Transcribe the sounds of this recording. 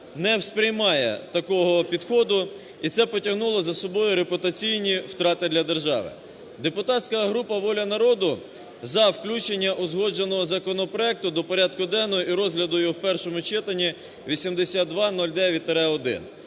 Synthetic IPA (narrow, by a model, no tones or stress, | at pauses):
nɛwspɾʲɪjmɑjɛ̰t̪ɐkɔɦɔpʲid̪xɔd̪ʊ | it̪sɛpɔtʲɐɦnulˠɔzɐsɔbɔjʊɾepʊt̪ɐt͡sʲijnʲiwt̪ɾɑt̪ɪd̪lʲɐd̪e̞rʒɑ̰ʋɪ̰ | d̪e̞pʊt̪ɑtʲsʲkɐɦɾupɐʋɔlʲɐnɐɾɔd̪ʊ | zɐwklʲut͡ʃenʲːɐʔʊzɦɔd͡ʒenɔɦɔzɐkɔnɔpɾɔɛk̚t̪ʊd̪ɔpɔɾʲɑd̪̚kʊd̪ɛnːɔiɾɔzɦlʲɐd̪ʊjwpɛrʃɔmʊt͡ʃɪt̪ɐnʲi | ʋʲisʲimd̪esʲat̪̚d̪ʋɑnɔlʲd̪ɛʋʲit̪ɾɛɔd̪ɪ̰n